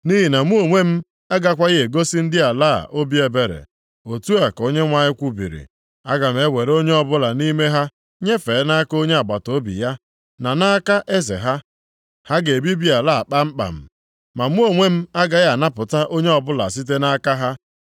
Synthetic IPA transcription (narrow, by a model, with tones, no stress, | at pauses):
ni˦ɦi˨na˨m˦u˦o˨ŋʷe˦m̩˦ | a˦ɡa˦kʷa˦ɣe˦e˨ɡo˦si˦n̩˦dɪ˦a˨la̰˦˨ʔo˦bi˦e˨be˨ɾḛ˨ | o˨tu˦a˨ko˦ɲe˦ŋʷa˨ɲɪ˦kʷu˦bḭ˨ɾḭ˨ | a˦ɡa˨m̩˨e˦we˨ɾo˦ɲe˦ɔ˨bʊ˦la˨ni˦me˦ɦa˦ | ɲe˦fe˨˦na˦ko˦ɲe˦a˨ɡ͡ba˨to˦bḭ˨ja˦ | na˨na˦ka˦ʔe˦zḛ˨ɦa˦ | ha˦ɡe˨e˨bi˦bi˦a˨la˦˨k͡pa˦m̩˦k͡pa̰˨m̩˨ | ma˨m˦u˦o˨ŋʷe˦m̩˦a˦ɡa˨ja˨na˦pʊ˨ta˦ʔo˦ɲe˦ɔ˨bʊ˦la̰˨s̬i˦t̬e˦na˦ka˦ɦa˦